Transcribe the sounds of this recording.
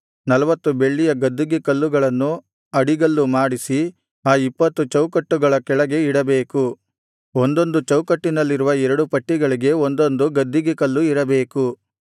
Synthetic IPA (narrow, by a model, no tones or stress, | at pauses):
nɐlɐʋɐt̪ːube̞ɭːijɐɡɐd̪ːuɡikɐlːuɡɐɭɐnːu | ɐɽiɡɐlːumaːɽisi | aːipːɐt̪ːut͡ʃɐwkɐʈːuɡɐɭɐkɛɭɐɡe̞iɽɐbeːku | o̞nd̪o̞nd̪ut͡ʃɐwkɐʈːinɐlːiɾuʋɐɛɾɐɽupɐʈːiɡɐɭiɡe̞o̞nd̪o̞nd̪uɡɐd̪ːuɡikɐlːuiɾɐbe̞ːku